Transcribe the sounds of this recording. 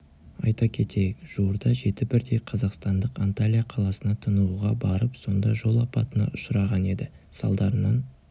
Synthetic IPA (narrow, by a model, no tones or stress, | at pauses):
ɑjt̪ɑkʲʰe̞t̪e̞jɪkʒ̥uwəɾd̪ɑʒe̞t̪ɪbɪɾd̪e̞jqʰɑzɑqst̪ɑnd̪əqant̪alʲijaqʰɑlˠɑsənɑt̪ʰənəuʁɑbɑɾəpso̞nd̪ɑʒo̞lˠɑpɑ̰t̪ənɑ̰ʔʊʃəɾɑʁɑne̞d̪ɪ | sɑ̰lˠd̪ɑɾənɑn